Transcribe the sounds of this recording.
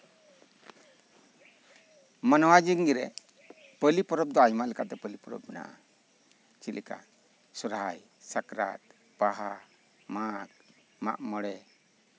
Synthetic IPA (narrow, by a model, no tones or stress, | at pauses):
manɔwad͡ʒiŋɡiɾɛ | pəlipɔɾɔp̚d̪ɔajmaʔlɛkaʔt̪ɛpəlipɔɾɔ̰b̚mɛna̰ʔa̰ | t͡ʃilʔɛka̰ | sɔɾɦaj | sakɾa̰t̪̚ | paɦa | mak̚ | ma̰ʔmɔɽɛ